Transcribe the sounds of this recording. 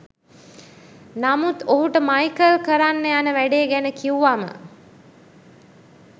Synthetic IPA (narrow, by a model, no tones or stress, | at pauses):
namut̪oɦuʈəmajkəlkəɾanːeanəʋæɖeːɡænəkiuʋamə̰